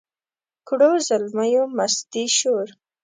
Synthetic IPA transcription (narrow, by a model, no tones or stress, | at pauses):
kɽozalmajomast̪iʃoɾ